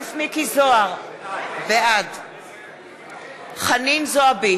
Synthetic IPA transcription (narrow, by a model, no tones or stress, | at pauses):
smikizoaʁveʔad | χaninzoabi